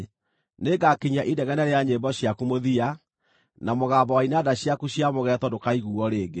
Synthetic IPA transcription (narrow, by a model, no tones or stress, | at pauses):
neɡakiɲaʔidɛɣɛnɛɾeaɲembɔɕjakumoðia | namoɣaːbɔwainadaɕjakuɕjamoɣɛtɔdokaiɣuɔɾeːɡe